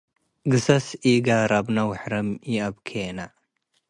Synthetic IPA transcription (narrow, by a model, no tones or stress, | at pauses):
ɡɨsɐsiɡaɾabnawħɾɐmiabkʰena